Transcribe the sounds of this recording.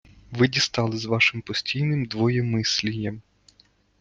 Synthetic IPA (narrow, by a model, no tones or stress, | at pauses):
ʋɪdʲist̪ɑlˠɪzʋɑʃɪmpɔsʲtʲijnɪmd̪ʋɔjɛmɪsʲlʲijɐm